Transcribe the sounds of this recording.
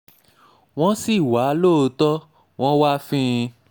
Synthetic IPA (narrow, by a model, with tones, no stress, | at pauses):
w̃ɔ̃˦si˦˨wa˨˦lo˦˨o˧tɔ˦ | w̃ɔ̃˦wa˦fĩ˦˧